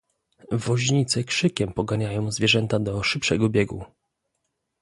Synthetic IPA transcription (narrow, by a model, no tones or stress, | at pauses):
vɔʑɲit̪sɛkʂɘkʲɛmpɔɡaɲajɔ̃w̃zvʲjɛʐɛnt̪ad̪ɔʂɘpʂɛɡɔbʲjɛɡu